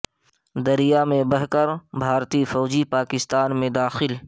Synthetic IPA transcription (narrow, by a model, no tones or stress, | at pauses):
d̪ɐɾijamẽbɐɦkɐɾbʱaːɾt̪ifɔːd͡ʒipaːkɪst̪aːnmẽd̪aːxɪl